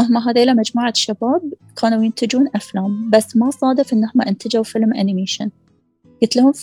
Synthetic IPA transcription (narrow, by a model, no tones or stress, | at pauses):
ahmaɦaːðaʔɪlamad͡ʒmuːʕaʃːabaːb̚kʰaːnujɪnt̪ɪd͡ʒuːnʔaflaːmbasːmasˤɑːd̪afʔɪnːahmaʔɪnt̪ad͡ʒawfɪlmʔa̰nɪmeːʃa̰n | ɡ̥ɪt̪lahʊmf